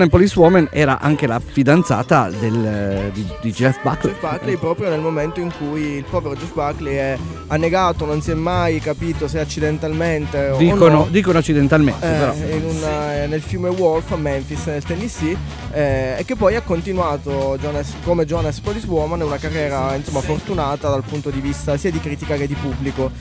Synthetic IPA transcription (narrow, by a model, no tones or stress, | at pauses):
nepɔliswɔːmanɛ̰ːɾa̰ʔa̰ŋkela̰fid̪ant̪sa̰ːt̪a̰d̪eld̪id̪id͡ʒlɛsba̰klbaklepɾɔːpɾjonelmoment̪oiŋkujːlpɔːveɾod͡ʒɔsbakːleɛ | anːeɡaːt̪ononsjɛmːajkapiːt̪oseat͡ʃːid̪ent̪alment̪ed̪iːkonod̪iːkonoat͡ʃːid̪ent̪almḛnepeɾɔinunnelfilmewɔlfamɛɱfisnelt̪ɛnːisi | ɛekːepːɔjakːont̪inwaːt̪od͡ʒɔnaskomed͡ʒɔnaspɔliswɔmanɛunakarːjɛːɾainsomːafort̪unaːt̪ad̪alpunt̪od̪ivist̪asiːad̪ikɾiːt̪ikaked̪ːipubːliko